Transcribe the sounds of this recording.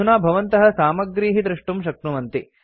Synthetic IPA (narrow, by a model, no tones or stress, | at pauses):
unaːbʱɐʋɐnt̪ɐɦɐ̆saːmɐɡɾiːɦid̪ɾɪʂʈumʃɐk̚t̪ɾumɐnt̪i